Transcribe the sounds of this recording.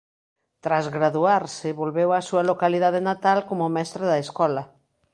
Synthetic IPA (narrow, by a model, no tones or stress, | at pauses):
t̪ɾazɣɾaðuaɾsɪβolβewasualokaliðaðenat̪alkomomɛst̪ɾaðaeskɔla